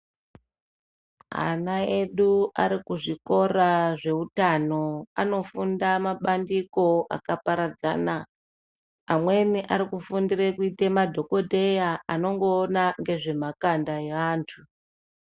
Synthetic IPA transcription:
a̰naeɗua̰ɾikuʐiko̞raʐe̞utano̞a̰no̞fundamaɓandiko̞ʔa̰kapaɾad͡za̰naː | mwe̞niʔaɾikufundirekuitemadʱo̞ko̞dʱe̞jaano̞ŋɡo̞ːnaŋɡe̞ʐe̞makandaeaːntʰu

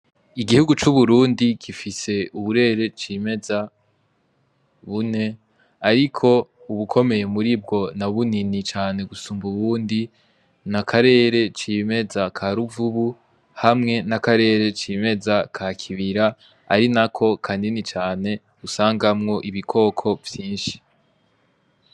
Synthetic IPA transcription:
iɡihuɡut͡ʃuβuɾuːndikifise̞uβuɾe̞ːɾe̞t͡ʃiːme̞za | βune̞ | aɾikʰo̞ | uβukʰo̞me̞je̞muɾib̚ɡo̞naβuninit͡ʃaːne̞ɡusuːmbuβuːndi | nakʰaɾe̞ːɾe̞t͡ʃiːme̞zakʰaɾuvuβu | hamŋe̞nakaɾe̞ːɾe̞t͡ʃime̞zakʰakʰiβiɾa | a̰ɾinakʰo̞kʰaːndinit͡ʃaːne̞ | usaːŋɡamŋo̞ʔiβikʰo̞ːkʰo̞vjiːnʃi̥

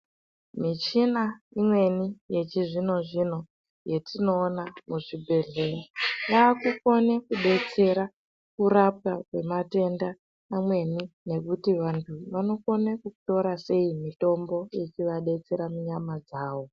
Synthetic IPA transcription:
mit͡ʃinaimwe̞nije̞t͡ʃiʐino̞ʐin̤o̞ | je̞tino̞ːnamuʐibʱe̞ɮe̞raʋaːkuko̞nekuɗe̞t͡se̞ɾa | kuɾap̚akwe̞mate̞nda | namwe̞nine̞kutiʋantʰuʋano̞ko̞nekuto̞ɾase̞imito̞mbo̞jet͡ʃiʋaɗe̞t͡se̞ɾamuɲamad͡zaːʋo̞

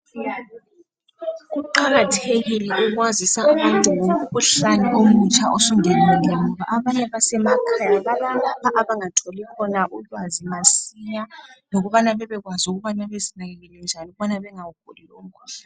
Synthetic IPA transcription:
ɣuǃaɣatʰeɣilɛʔuɣwazisauβantʼuwouβuɬanɛʔomut͡ʃʰʼaʔosuŋɛnɛlɛŋɔβaʔaβaɲɛβasɛmakʰajaβalalapʰaʔaβaŋatʰolikʰɔnaʔulwazimasiɲaloɣuβanaβɛβɛɣwazuɣuβanaβezinaɣɛlɛlɛɔnd͡ʒʱanuuβanaβɛŋawuɡ̥ʱolilɔŋ̩kʰʼuɬḁ

